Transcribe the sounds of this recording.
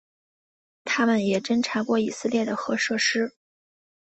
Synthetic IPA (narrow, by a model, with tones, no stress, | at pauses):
t̪ʰa˥mə˨njɛ˨˩ʈ͡ʂə˥nʈ͡ʂʰa˧˥kwɔ˥˩i˨˩sɹ̩˥˧ljɛ˥˩d̪ə˩xɤ˧˥ʂɤ˥˩ʂɻ̩˥